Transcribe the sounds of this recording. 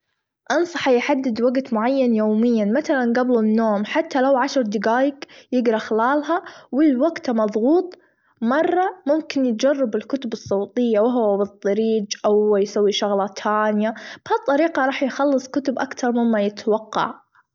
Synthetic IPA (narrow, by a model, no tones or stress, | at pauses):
ʔɑnsˤɑ̥ħajħad̪ːɪd̪waɡt̪mʊʕajːanjoːmɪjːanmaθalanɡablunːoːmħat̪ːalawʕaʃɾˤd̪ɪɡaːjɪkjɪɡɾˤɑxɪlaːlɦawɪlwaɡt̪mɑðˤɣuːt̪ˤ | mɑrˤːɑmʊmkɪnjɪt̪̚d͡ʒarˤːɑbɪlkʊt̪ʊbɨsˤːɑːt̪ˤɨjːawɪɦwabɨt̪ˤːɑɾiːd͡ʒʔawːjsawːiʃaɣlɑt̪ʰaːnjab̥hat̪ˤːɑɾiːqɑɾˤɑːħjxɑlːɨsˤkʊt̪ʊbʔakt̪ɑɾˤmɪmːajɪt̪wɑqːɑ̰ʕ